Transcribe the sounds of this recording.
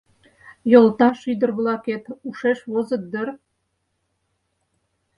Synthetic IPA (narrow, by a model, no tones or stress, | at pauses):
jŏlt̪ɑʃyd̪ə̆rβlˠɑket̪uʃeʃβozə̆t̪̚d̪ə̆r